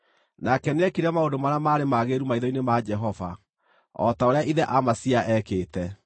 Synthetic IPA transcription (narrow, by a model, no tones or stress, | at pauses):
nakɛneɛkiɾamaodomaɾamaːɾemaɣeɾumaiðɔinemad͡ʒɛɦɔva̰ | ɔ̰taoɾeaʔiðɛʔamasiaʔɛkeːtɛ